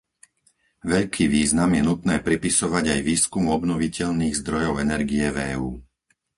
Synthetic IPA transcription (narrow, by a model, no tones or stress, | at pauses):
ʋɛʎkʰiːʋiːznamjɛnut̪nɛːpɾipisɔʋaɟajʋiːskumɔbnɔʋicɛʎniːɣzd̪ɾɔjɔʊɛnɛɾɡiɛvɛːuː